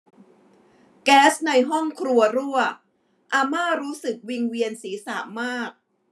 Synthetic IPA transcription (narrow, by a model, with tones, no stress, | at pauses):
kɛː˦˥sna˧jɦɔ˥˩ŋkʰɾu˧ɐɾu˥˩ɐ | ʔaː˧maː˥˩ɾuː˦˥sɯ˨˩k̚wi˧ŋwi˧ənsiː˩˦sa̰ː˨˩˦maː˥˩k̚